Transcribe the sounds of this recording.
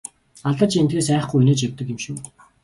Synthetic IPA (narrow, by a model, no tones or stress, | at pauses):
aɮt̪ə̆t͡ɕent̪ɡeːsæːχɡujuneːt͡ɕawʲt̪ə̆kemʃuː